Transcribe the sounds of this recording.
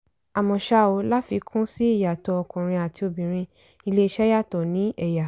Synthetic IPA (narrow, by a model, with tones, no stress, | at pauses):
a˨mɔ̃˨ʃa˧˦o˧˦la˦fi˧˦kʰũ˦si˦i˦˨ja˨tɔ˧˦ɔ˧kũ˨ɾ̃ĩ˧a˨ti˧o˨bĩ˨ɾ̃ĩ˧ | i˧le˦i˧ʃɛ˦ja˦˨tɔ˨nĩ˨˦ɛ˦˨ja˨